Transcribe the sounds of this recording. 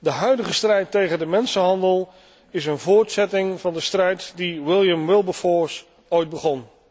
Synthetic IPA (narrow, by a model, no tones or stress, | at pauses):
dəɦœɥdəχəstrɛjtːejχəndəmɛnsənɦɑndəlˠ | ɪsənvʊːɹtsɛtɪŋvɑndəstrɛjtdiwɪlˠjəmwɪlˠbəfɔːɹs | ojt̚bəχɔn